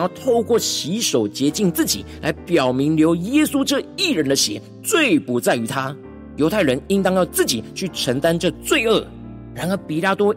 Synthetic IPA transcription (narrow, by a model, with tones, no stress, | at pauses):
jɑ˥˧ʊt̪ʰo˥˧ʊkwɔ˥˩ɕi˧˥ʂo˨˩ʊt͡ɕjɛ˧˥t͡ɕi˥˧ŋt͡sɹ̩˥˩t͡ɕḭ˨˩la˧˥ɪpjɑ˨˩ʊmi˧˥ŋljo˧˥ʊjɛ˥su˥ʈ͡ʂɤ˥˧i˥˩ɻə˧˦nd̪ə˧ɕjɛ̰˨˩˦ | t͡swe˥˨˩ɪpu˨˧˥t͡sa˥˩ɪy˧˥t̪ʰa˥ | jo˧˥ʊt̪ʰa˥˩ɪɻə˧˦ni˥nt̪ɑ˥ŋjɑ˥˧ʊt͡sɹ̩˥˩t͡ɕḭ˨˩t͡ɕʰy˥˩ʈ͡ʂʰə˧˥ŋt̪a˥˦nʈ͡ʂɤ˥˧t͡swe˥˧ɪə˥˩ | ɻa˧˥nə˧˩pi˨˩la˥t̪wɔ˥